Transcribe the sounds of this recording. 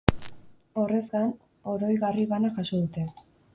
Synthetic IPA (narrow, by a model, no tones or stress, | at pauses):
o̞re̞zɡan | o̞ɾo̞jɣariβanaʝaso̞ðut̪e̞